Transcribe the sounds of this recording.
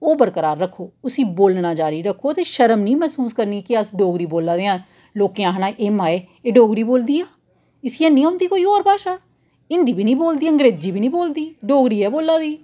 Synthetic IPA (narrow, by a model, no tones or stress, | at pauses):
oːbəɾkəɾaːɾːəkʰːoːʊsiːboːlnaːd͡ʒaːɾiːɾəkʰːoːt̪eːʃəɾəmnĩːmɛːsuːskəɾniːkɪəsɖoːɡɾiːboːlaːd̪eːãː | loːkejãːɦənãːʔeːmaːeː | eːɖoːɡɾiːboːld̪iːaː | ɪsiːɛːnĩːãːʊ̃nd̪iːkoːiːɔːɾpaːʃaː | ɪnd̪iːbiːnĩːboːld̪iːəŋɡɾeːd͡ʒiːbiːnĩːboːld̪iːɖoːɡɾiːɛːboːlːaːd̪iː